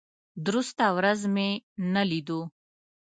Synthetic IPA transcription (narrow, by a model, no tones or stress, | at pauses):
d̪ɾust̪awɾazmenalid̪u